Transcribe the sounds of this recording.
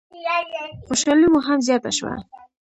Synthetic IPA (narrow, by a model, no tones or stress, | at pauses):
xoʃɑlimoɦamzjɑt̪a̰ʃwa̰